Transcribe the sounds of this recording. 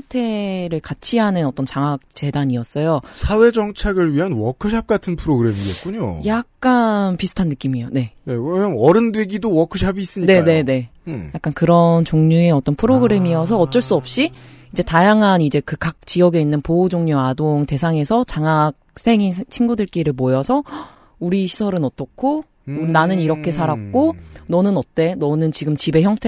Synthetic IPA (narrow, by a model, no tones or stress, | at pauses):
ŋtʰe̞ɾɯɭkat͡ɕʰiɦanɯnʌt͈ʌnt͡ɕaŋak̚t͡ɕ͈e̞daɲiʌs͈ʌjosʰawe̞d͡ʑʌŋt͡ɕʰaɡɯɭɥiɦanwʌkʰɯɕʰap̚k͈atʰɯnpʰɯɾoɡɯɾe̞miɡe̞̰t̚k͈uɲo̰jak̚k͈anpisʰɯ̥tʰanːɯk͈imijone̞nekmʌnʌɾɯndweɡidowʌkʰɯɕʰabiːs͈ɯɲine̞ane̞ne̞jak͈ankɯɾʌnt͡ɕoŋɲue̞ʌt͈ʌnpʰɯɾoɡɯɾe̞miʌsʰʌːt̚t͡ɕ͈ʌɭs͈uʌp̚ɕ͈iid͡ʑe̞tajaŋɦanid͡ʑe̞kɯkak̚t͡ɕ͈ijʌɡe̞inːɯnpoud͡ʑoŋɲoadoŋte̞sʰaŋe̞sʰʌt͡ɕaŋak̚s͈ʰe̞ŋit͡ɕʰinɡudɯɭk͈iɾɯɭmojʌsʰʌ | uɾiɕʰisʰʌɾɯnʌt͈ʌkʰo | nanɯniɾʌkʰe̞sʰaɾak̚k͈onʌnɯnʌt̚t͈e̞nʌnɯnt͡ɕiɡɯmt͡ɕibe̞çjʌŋtʰe